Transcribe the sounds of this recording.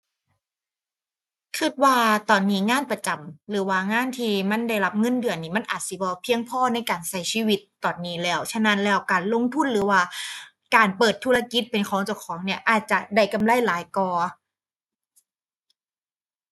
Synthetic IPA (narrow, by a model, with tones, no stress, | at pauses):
kʰɯ˨˧˩t̪̚waː˧˩t̪ɔː˨˩nːiː˦˥ŋaː˧˥˨npa˧t͡ɕa˨˩mlɯː˩˦waː˧˩ŋaː˧˥˨nt̪ʰiː˧ma˧˥˨nda˧˩jla˦˥p̚ŋɤ˧˥˨ndɯ˨ənːiː˧˩ma˧˥˨nʔaː˨˩t̪̚si˧˦bɔː˧pʰi˧əŋpʰɔː˧˥˨na˧˥˩jkaː˨˩nsa˧˩jsʰiː˧˩˨wi˧˥t̪ːɔː˨˩nːiː˨˦˥lɛː˧˩wt͡ɕʰa˧na˧˥nlɛː˧˩wkaː˨˩nlo˧˥ŋt̪ʰu˧˥˩nɾɯː˨˦waː˧˩ | kaː˨˩npɤː˨˩t̪ʰːuː˧˩ɾa˧ki˧˦˥t̪̚pe˨nkʰɔː˨˦ŋt͡ɕa˧˩kʰɔː˨˦ŋni˧˩ɐʔaː˨˩t̪̚t͡ɕa˨˩da˧˩jka˧mla˧˥˩jlaː˨˦jkɔː˧˩